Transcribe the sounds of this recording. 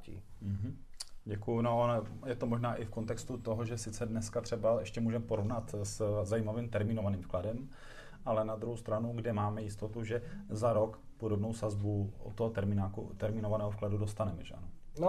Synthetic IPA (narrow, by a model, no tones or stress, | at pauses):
ḭ | ɦ̩ɟɛkujʊnoʔonojɛt̪omo̞ʒnaːʔɪfkont̪ɛkst̪ut̪o̞ɦoʒɛsɪt͡sɛdnɛskat̪r̝̥ɛbaɛʃcɛmuːʒɛmɛpoɾovnat̪szajiːmavimt̪ɛɾmɪno̞vaniːmfkladɛm | ʔalɛnad̪ɾuhɦowst̪ɾanuɡdɪmaːmɛjɪst̪o̞t̪uʒɛzaɾo̞k | podobno̞wsazbuo̰t̪ːoɦot̪ɛɾmɪnakṵt̪ɛɾmɪnovanɛːɦofkladudo̞st̪anɛmɛʒɛʔa̰nono